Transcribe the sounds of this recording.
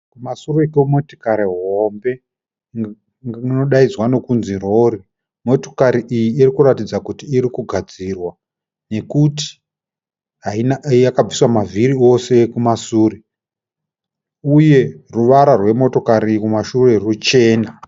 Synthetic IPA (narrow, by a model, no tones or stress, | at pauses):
kumasurekemoti̥kaɾiɦo̞mbe̞ | ŋno̞ɗaid͡zwano̞kunziro̞ri | mo̞to̞̥kaɾiʔijiːrikuratid͡zakutiːɾikuɡʱad͡zirwa | ne̞kuti̥ | ɦainajakab͡viswamaviɾio̞se̞kumasuːri | uje̞ruʋaɾarwe̞mo̞to̞kaɾikumaʃure̞rut͡ʃe̞ːna